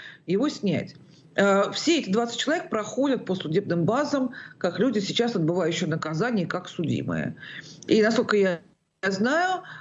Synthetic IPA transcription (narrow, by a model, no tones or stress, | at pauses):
jɪvo̞sʲnʲæ̰tʲ | əfsʲeɛtʲɪd̪vat̪sɨt̚ʲt͡ɕːɪlˠɐvʲek̚pɾɐxo̞dʲət̪̚pəsʊdʲe̞b̚nɨmbazəmkaklʲudʲɪsʲɪt͡ɕasɐd̪̚bɨvajʉɕːɪjnəkɐzanʲɪjəkaksʊdʲḭmɨ̰jə̰inɐskolʲkəja | znajʊ